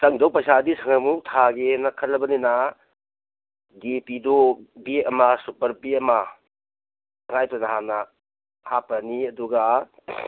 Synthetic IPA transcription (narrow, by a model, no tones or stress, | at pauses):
sɐŋdɐwpɐjsadisɐŋamutʰaɡenɐkʰɐɾlɐbɐnina | depidobiɐmasupɐɾbiɐma | sɐŋajpɐnaɦanɐ | hapɐniɐduɡa